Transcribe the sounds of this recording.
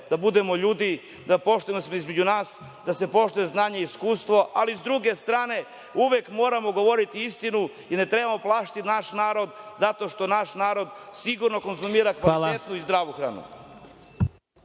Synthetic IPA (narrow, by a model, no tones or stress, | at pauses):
d̪abud̪e̞mo̞ʎuːd̪i | d̪apo̞ʃt̪ujemosmoizme̞d͡ʑunaːs | d̪ase̞po̞ʃt̪ujeznaːɲeiskuːst̪ʋo̞ʔalizd̪ɾuɡe̞st̪ɾaːne̞ | uʋjekmo̞ːɾamo̞ɡo̞ʋo̞ɾit̪iist̪inu | iɾne̞t̪ɾe̞bamo̞plˠaːʃt̪it̪naʃnaːɾo̞d̪zat̪o̞ʃt̪o̞naʃnaːɾo̞d̪siɡuɾno̞ko̞nzumiːɾakʋalit̪et̪nuizd̪ɾaːʋuxɾa̰ːnṵ